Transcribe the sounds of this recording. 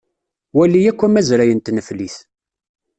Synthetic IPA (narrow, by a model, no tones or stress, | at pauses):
wælːijækʷːæmæzɾæjənt̪nəfliθ